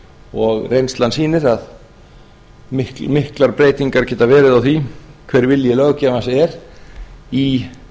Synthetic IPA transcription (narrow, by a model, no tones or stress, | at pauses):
ɔɣrejnst̪lansiːnɪɾað | ɪhmɪhklaɾpɾeːjt̪iŋkaɾ̥cɛːt̪avɛːɾɪðawθvikʰvɛːɾvɪljɛlœɣcamasɛɾ | i